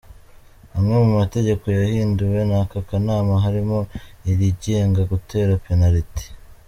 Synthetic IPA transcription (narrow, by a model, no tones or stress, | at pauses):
hamŋe̞mumate̞ɟe̞ko̞jahiːnduwe̞nakakanaːmaɦaɾimo̞iɾiɟe̞ːŋɡaɡutʰe̞ːɾapenaɾiti̥